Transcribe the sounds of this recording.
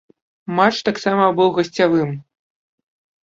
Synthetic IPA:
mat͡ʂt̪aksamɐbɨwɣɐsʲt͡sʲavɨm

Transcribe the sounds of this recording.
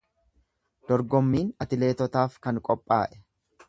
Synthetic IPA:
d̪̥ɔɾɡɔmːiːnɐt̪ɪle̞ːt̪ɔt̪aːfkɐŋkʼɔpʼːa̰ːʔɛ̥

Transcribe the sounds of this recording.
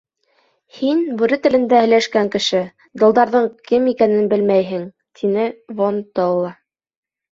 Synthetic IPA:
hinbʉɾɘt̪ɘ̆lɘ̆nd̪æhɘ̆jlæʃkæŋkɘ̆ʃɘ | d̪ɤ̆lˠd̪ɑɾðɤɴkɘmikænɘnbɘlmæjɦɘ̆ŋ | t̪ʰinɘvont̪olˠːɑ

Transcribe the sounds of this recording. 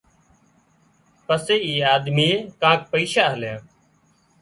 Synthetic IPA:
pəseːiːaːd̪miːekãːk̚pəiːʃaːɦəljãː

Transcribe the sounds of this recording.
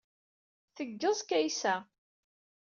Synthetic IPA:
θəɡːəzˤkæjsæ

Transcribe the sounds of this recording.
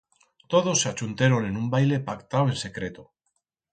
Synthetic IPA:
t̪o̞ð̞osːeat͡ʃunt̪eɾone̞nũmbajle̞pakt̪awe̞nse̞kɾet̪o

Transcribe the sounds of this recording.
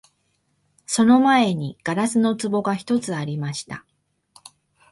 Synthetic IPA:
so̞no̞mae̞ɲ̟iɡ̥aɾasɨno̞t͡sɨbo̞ɡaçi̥t̪o̞t͡sɨaɾʲimaɕi̥t̪a̰

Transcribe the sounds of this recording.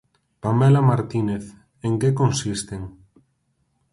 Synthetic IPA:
pamɛlamaɾt̪ineθ | eŋkekonsist̪eŋ

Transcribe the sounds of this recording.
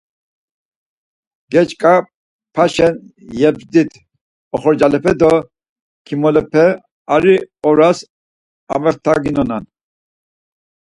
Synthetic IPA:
ɡɛt͡ʃkʼa | pʰaʃɛn | jɛpsd̪it̪ʰ | ɔχɔɾd͡ʒalɛpʰɛd̪ɔ | kʰimɔlɛpʰɛ | aɾiɔɾas | a̰vɛχt̪ʰaɡinɔnan

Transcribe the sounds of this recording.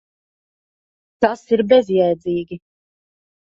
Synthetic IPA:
t̪asiɾbɛzjɛjd̪ziːɡʲi

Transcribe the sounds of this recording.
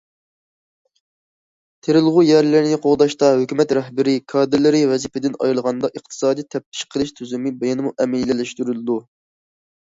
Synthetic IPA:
t̪ʰeɾɪlˠʁujɛɾlɪɾnɪqʰoʁd̪ɑʃt̪ɑɦøkʲymɛt̪ɾɛɦbɪɾɪkʰɑːd̪ɪɾlɪɾɪvɛzipʰɪd̪ɪnɑ̰jɨlˠʁɑnd̪ɑʔəχt̪ʰɨ̥sɑːd̪ijt̪ʰɛp̚t̪ʰɪ̥ʃqʰəlˠɨʃt̪ʰyzymɪbejɑnɨmuʔɛmɪlːɪlɪʃt̪yɾylɨd̪u

